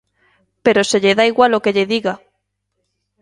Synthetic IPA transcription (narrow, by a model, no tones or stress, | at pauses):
peɾoseʎeðaiɣwalokeʎeðiɣa